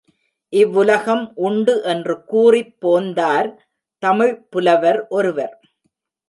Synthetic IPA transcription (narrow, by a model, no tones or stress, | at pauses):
ʔɪʋːʊlɐɣɐmʔʊɳɖɯʔɛndrɯkuːrɪpːoːnd̪aːɾ | t̪ɐmɪɻpʊlɐʋɐɾʔɔɾɯʋɐɾ